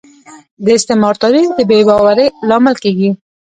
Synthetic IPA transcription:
d̪əɪst̪ɪmɑɾt̪ɑɾid̪əbebɑwaɾəlɑmɪlkeɡi

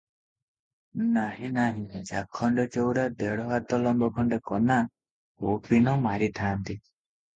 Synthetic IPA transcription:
naɦĩnaɦĩd͡ʒakʰːɔɳɖet͡ʃowɾad̪eɽɔɦat̪ɔlɔmbɔkʰɔɳɖekɔna | opinɔmaɾit̪ʰaːnt̪i

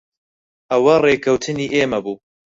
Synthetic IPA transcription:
ʔɐwɐreːkʰɐwt̪ʰɨniːʔeːmɐbuː

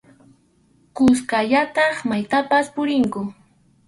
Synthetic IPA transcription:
kʊskaʎat̪ɑχmajt̪apaspʊɾɪŋkʊ

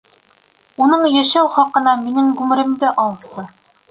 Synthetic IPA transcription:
unɤɴjæʃæwχɒqɤ̆nɑminɘŋɡʉmɘ̆ɾɘ̆md̪ɘʔɒlˠsɤ

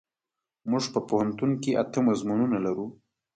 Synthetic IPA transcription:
muʐpəpohant̪unkeʔat̪əmazmununalaɾu

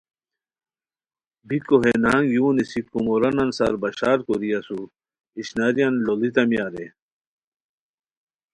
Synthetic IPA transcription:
bikoɦenaːŋjuːnisikːumoɾɐnɐnsaɾbɐɕaːɾkoɾijasu | iɕnaɾijanlolit̪ɐmijaɾe

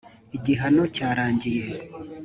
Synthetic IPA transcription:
iɟiɦano̞caːɾaːɲɟije̞

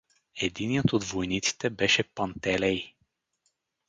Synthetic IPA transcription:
ɛd̪iniət̪od̪vojnit̪si̥t̪ɛbɛʃɛpɐnt̪ɛlɛj

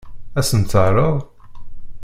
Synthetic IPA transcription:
æsənt͡s̪ːərˤəðˤ

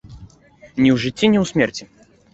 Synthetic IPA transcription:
nʲiwʐɨtʲːinʲiwsʲmʲɛrt͡sʲi

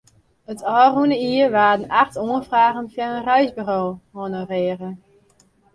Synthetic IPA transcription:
ətʰɔːrunəiərʋaːdənaxtoənfraːɣənfjaənrœɥzbyroːhɔnəreərə

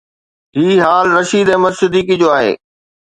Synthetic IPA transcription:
ɦiːɦaːlɾɐʃiːd̪ɛ̃ːmɐsɪd̪iːkid͡ʑoːaːɦḛː

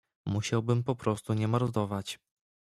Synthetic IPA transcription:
muɕawbɘmpɔpɾɔst̪uɲɛmaɾd̪ɔvat͡ɕ

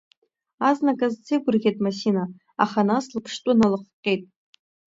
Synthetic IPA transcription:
aznakʼazt͡sʰejɡʷʊrʁʲejtʼmasina | a̰χanaslɨpʰʂtʼʊnalɨqʷqʲʼejtʼ

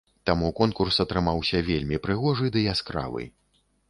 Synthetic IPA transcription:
t̪amukɔnkursɐt̪ɾɨmawsʲɐvʲelʲmʲipɾɨɣɔʐɨd̪ɨjaskɾa̰vɨ̰j

